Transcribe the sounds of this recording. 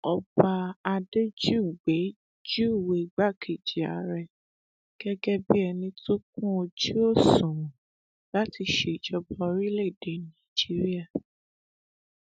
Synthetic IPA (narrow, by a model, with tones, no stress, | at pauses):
ɔ˨ba˧da˧de˦d͡ʒu˦˨ɡ͡be˨˦ | d͡ʒu˦u˦˨we˨ɡ͡ba˦˨kʰe˨d͡ʒi˨a̰˨˦ɾɛ˦˨ | ɡ̥ɛ˦ɡɛ˦bi˦ɛ˧nĩ˧tu˦k̚ũ˦o˧d͡ʒi˦o˦˨sũ˨ɾũ˨ | la˦ti˧ʃe˧˨d͡ʒɔ˧bɔ˧ɾi˦le˦˨de˨˦nã˦˨d͡ʒi˦ɾi˦a˦˨